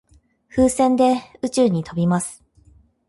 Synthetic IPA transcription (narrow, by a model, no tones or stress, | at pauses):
ɸɯːsẽ̞nd̪e̞ɯ̟t͡ɕɨːɲ̟it̪o̞bʲimasɨ̥